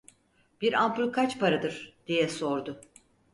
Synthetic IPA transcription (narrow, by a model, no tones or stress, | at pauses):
b̥iɾampulˠkʰat͡ʃpʰaɾad̪ɯɾ̥d̪̥ijɛso̞ɾd̪ʊ